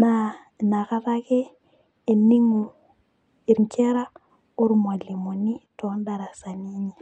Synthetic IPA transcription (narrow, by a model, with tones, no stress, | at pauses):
na˦˨ | na˨ka˦ta˦keː˦˨ | ni˦ŋu˨ | i˨ɾi˨nt͡ʃɛ˦ɾa˦ | u˦ɾma˨li˨mo˨ni˦tɔ˨˦nda˨ɾa˨sa˨ni˦ɲi˨